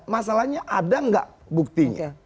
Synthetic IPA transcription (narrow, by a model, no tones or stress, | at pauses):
masalahɲaʔadaŋɡa̰ʔ | buk̚t̪iɲa̰